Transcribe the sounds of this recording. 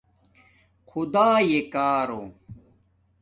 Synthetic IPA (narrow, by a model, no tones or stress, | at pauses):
xʰud̪aːjekaːɾo̰